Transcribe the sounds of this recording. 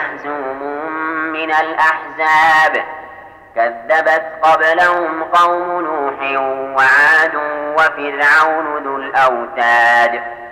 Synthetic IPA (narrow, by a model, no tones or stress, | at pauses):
ħzuːmʊmɪnalʔaħzaːb | kaðːabat̪qɑblahʊmqɑwmʊnuːħɪwaʕaːd̪ʊwafɪɾʕawnʊnʊlʔawt̪aːd̪